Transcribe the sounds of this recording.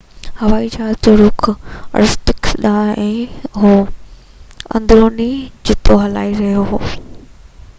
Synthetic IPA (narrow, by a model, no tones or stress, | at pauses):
hɐʋaːid͡ʑat̪ɐɾuːkʰɐ̰ɾɪst̪ɪksɗãːɛ̃ːɦoː | ɐ̰̃nd̪ɾoːnid͡ʑɪt̪oɦɐla̰ːiɾɐɦijoɦoː